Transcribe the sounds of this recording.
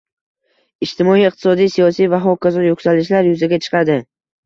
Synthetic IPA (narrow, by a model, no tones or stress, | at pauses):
ɪʃt̪ɪmɒijɪq̚t̪ʰɪ̥sɒd̪ijsijɒsijvaɦɒkʲazɒjokʲsalɪʃlaɾjʊzaɡʲat͡ʃʰɨ̥qʰɑd̪ɪ